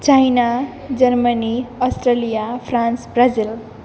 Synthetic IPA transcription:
t͡sajna | d͡zʌrmaniʌsʈrelijapʰransbrazil

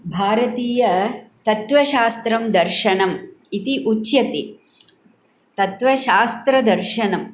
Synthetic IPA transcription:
bʱaːɾɐt̪iːjɐt̪ɐt̪ʋɐʃaːst̪ɾɐmd̪ɐɾʃɐɳɐmit̪iʔutːjɐt̪i | t̪ɐt̪ʋɐʃaːst̪ɾɐd̪ɐɾʃɐɳɐm

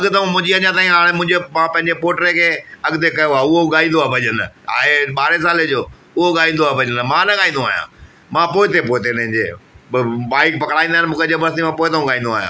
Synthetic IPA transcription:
ɐɡt̪ɐũmʊ̃ɪɲd͡ʑiɐɲãt̪aːĩɦaːɽ̃mʊ̃ɪ̃ɲd͡ʑemãːpɐ̃ɦɪ̃ɲd͡ʑepoːʈɾekʰeːɐɡt̪ekɐjoaːʊɦoɠaːĩnd̪oabʱɐʄəna̰ːeɓaːɾesaːled͡ʑoː | ʊɦoɠaːĩn̆d̪oabʱɐʄənmãːnɐɠaːɦĩːnd̪oa̰ːijã̰ | mãːpoːɪt̪epoːɪt̪enɐ̃ɦɪ̃ɲd͡ʑḛ | baːɪkpɐkɽaːĩnd̪aɦɪnɪmũːkʰed͡ʑebɐɾst̪imãpoːɪt̪ɐũɠaːĩnd̪oa̰ːɦjã̰ː

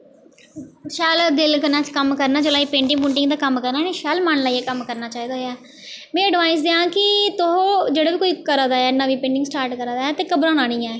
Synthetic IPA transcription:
ʃɛːld̪ɪlkənaːt͡ʃkəmkəɾnaːt͡ʃəlaːiːpẽːɳɖɪŋpʊ̃ːɳʈɪŋɡd̪aːkəmkəɾnaːnẽːʃɛːlmaːnlaːiɛːkəmkəɾnaːt͡ʃaːiːd̪aːɛː | mɛ̃ːəɖʋaːɪsd̪eːãːkɪt̪ʊɦod͡ʒeːɽaːʋiːkoːiːkəɾãːd̪aːɛːɪnaːʋiːpẽːɳɖɪŋɡsʈaːɾʈkəɾãːd̪aːɛːt̪eːkəbɾãːnãːnĩːɛ̃ː

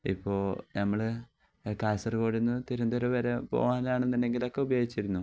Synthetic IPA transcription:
ḭpːo̞ːɭnɐmːɐɭ | kaːsɐrkoːɽunːɨt̪iɾund̪oɾɐʋɐɾepo̞̰ːɣaːnaːɳenːinɖe̞ŋɡilo̞kːe̞ubɐjoːɡit͡ɕːiɾunːu

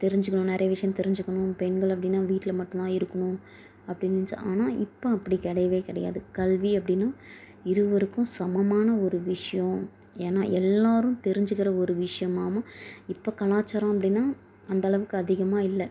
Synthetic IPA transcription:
t̪ɛɾɪɲd͡ʒɯkːɐɳʊ̃nɛɾɐjɐʋɪʂɐjɐ̃mt̪ɛɾɪɲd͡ʒɯkːɐɳʊ̃pɛnɡɐɭɐpːɐɽɪnːaːʋiːʈːɪlmɐʈːnt̪ãːɪɾɯkːɐɳʊ̃ | ɐpːɐɽɪnːɪɲd͡ʒɐ̰ʔaːnaːʔɪpːoɐpːɐɽikɪɽɐjɐʋeːkɪɽɐja̰ːðɯkɐlʋiɐpːɐɽɪnːaː | ɪɾɯʋɐɾɯkːʊ̃sɐmɐmaːnɐɔɾɯʋɪʂɐjɔ̃ | eːnːaːʔɛlːaːɾɯ̃t̪ɛɾɪɲd͡ʒɯkːɪɾɐɔɾɯʋɪʂɐjɐmaːmɐɪpːoːkɐɭaːt͡ʃːɐɾõːɐpːɐɽɪnːaː | ɐnd̪ɐɭɐʋɯkːɯɐðɪɣɐmaːɪlːɛ

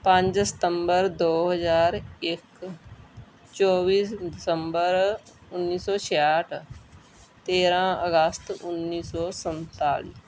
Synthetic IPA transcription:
pə̃ɲd͡ʒsə̥t̪əmbəɾd̪oːɦəzaːɾɪk | t͡ʃɔːbiːsdɪsəmbəɾ | ʊnːiːsɔːt͡ʃʰeaʈʰ | t̪eːɾãːəɡəst̪ʊnːiːsɔːsənt̪a̰ːlḭː

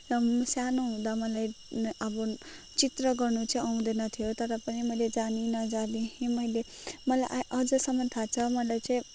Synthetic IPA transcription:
ʌsjanuɦũd̪amʌlaj | ʌbʌ | t͡sit̪rʌɡʌrnut͡sʌĩʌw̃d̪enʌt̪ʰijot̪ʌɾʌpʌnimʌiled͡zaninʌd͡zad̪ĩɦĩmʌjle | mʌlajʔaʔʌd͡zʌsʌmʌnt̪ʰat͡sʰʌmʌlajt͡sʌĩ

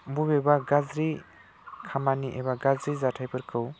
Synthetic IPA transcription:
bubebaɡazɾi | kʰamaniʔebaɡazɾizatʰajpʰɯɾkʰɯw

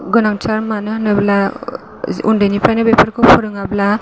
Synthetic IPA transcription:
ɡɯnaŋt͡ʃʰaɾmanɯnɯbla | ṵndanipɾajnɯbepʰaɾkʰɯwpʰɔɾɯŋabla

